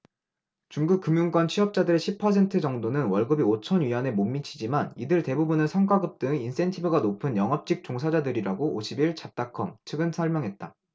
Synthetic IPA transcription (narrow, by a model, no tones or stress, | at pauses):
t͡ɕuŋɡuk̚k͈ɯmjuŋk͈ʌnt͡ɕʰiʌp̚t͡ɕ͈adɯɾe̞ɕʰipʰːʌsʰe̞ntʰɯd͡ʑʌŋdonɯnwʌɭɡɯbiot͡ɕʰʌnɥiʌne̞momːit͡ɕʰid͡ʑimanidɯɭte̞bubunɯsʰʌŋkaɡɯp̚t͈ɯŋins͈e̞ntʰibɯɡanopʰɯnjʌŋɦʌp̚t͡ɕ͈ik̚t͡ɕ͈oŋsʰad͡ʑadɯɾiɾaɡoʔoɕʰibiɭt͡ɕap̚t͈akʰʌmt͡ɕʰɯɡɯnsʰʌɭmjʌŋɦe̞t̚t͈a